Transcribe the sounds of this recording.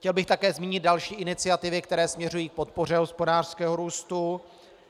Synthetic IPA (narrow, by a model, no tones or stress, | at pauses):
xcɛlbɪxt̪akɛːzmiːɲɪd̪̚dalʃiːʔɪnɪt͡sɪat̪ɪvɪkt̪ɛɾɛːsmɲɛrujiːk̚po̞t̪̚po̞r̝ɛɦo̞spo̞daːr̥skɛːɦo̞ɾuːst̪u